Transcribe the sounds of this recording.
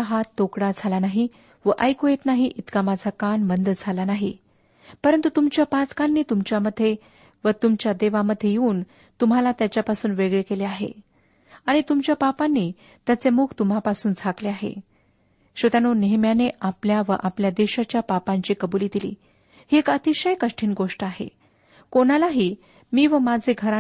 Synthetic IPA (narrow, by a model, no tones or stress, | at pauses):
aɦat̪ːokɽad͡zʱalanaɦi | ʋəʔəjkoet̪naɦiʔit̪kamad͡zʰakaɳmənd̪d͡zʱalanaɦḭ | pəɾənt̪ut̪umt͡ɕjapat̪kanːiːt̪umt͡ɕjaməd̪ʱːe | ʋət̪umt͡ɕjad̪eʋaməd̪ʱjejeuːn | t̪um̤alat̪jat͡ɕjapasuːnʋeɡɭekeleaɦḛ | aɽ̃it̪umt͡ɕjapapanːiː | t̪jat͡semukʰt̪um̤apasuːnd͡zʱakleaɦḛ | ɕʋət̪anoneɦmjaneapljaʋəʔapljad̪eɕat͡ɕjapapãɲt͡ɕiːkəbuliːd̪ilḭː | hiekət̪iɕəjkəʂʈʰiːnɡoʂʈəaɦḛ | koɽ̃alaɦiː | miːʋəmad͡zʱeɡʱəɾa